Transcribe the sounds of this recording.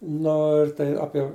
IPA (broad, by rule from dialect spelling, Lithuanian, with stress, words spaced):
ˈnoː ɪr tɐɪ ˈɑːpʲiɛ